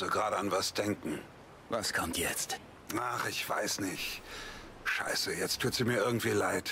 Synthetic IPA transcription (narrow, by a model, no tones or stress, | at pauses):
zoɡʁaːɾəanvasd̥ɛŋkŋ̩ | vaskʰɔmtʰjɛt͡st | aχɪçv̥a̰ɪsnɪçt | ʃa̰ɪsəjɛt͡stʰːuːtz̥iːmiːɐʔɪɐɡŋ̩tv̥iːlaɪt